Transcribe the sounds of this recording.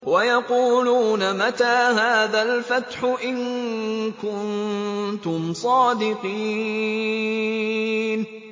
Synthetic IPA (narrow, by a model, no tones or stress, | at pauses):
wajɑquːluːnamat̪aːɦaːðalfat̪ħʊʔɪŋ | kʊnt̪ʊmsˤɑːd̪ɪqiː | n